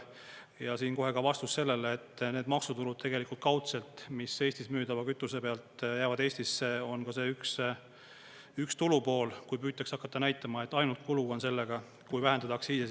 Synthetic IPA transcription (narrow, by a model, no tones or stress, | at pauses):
jɑsiːnko̞ɦe̞kɑvɑst̪usːe̞lːe̞leːt̪ːˑne̞ːd̪mɑksut̪ulud̪̥̚t̪e̞ɡ̥e̞likˑult̪̚kɑwt̪se̞lt̪mise̞ːst̪ismyːd̪ɑvɑkyt̪ːˑuse̞pe̞ɑlt̪jæːvɑd̪e̞ːsʲt̪isːe̞o̞nkɑse̞ːyks | ykst̪ulupo̞ːlkujpyːt̪ːˑɑksɑkːˑɑt̪ːɑnæjt̪ːˑɑmɑe̞t̪ːˑɑjnult̪̚kuluo̞nse̞lːe̞ɡ̥ɑ | kujvæɦe̞nd̪ɑt̪ɑksiːse